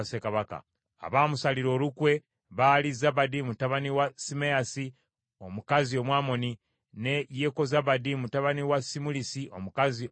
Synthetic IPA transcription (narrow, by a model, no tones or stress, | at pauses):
sekaβaka̰ | a̰βaːmusaliɾo̞ːlukwe̞ | βalizabadimutaβaniwasimejasi | o̞mukazio̞mwaːmo̞ni | ne̞jeko̞zaβadimutaβaniwasimulisiʔo̰mukazi